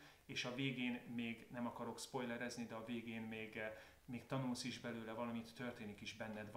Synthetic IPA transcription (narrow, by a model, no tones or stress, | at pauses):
eːʃɒveːɡeːnmeːɡnɛmɒkɒɾo̞kspo̞jlɛɾɛznid̪ɛɒveːɡeːnmeːɡ | meːkt̪ɒnulsiʒbɛløːlɛvɒlɒmit̪ʰːø̞rt̪eːnikiʒbɛnːɛd̪v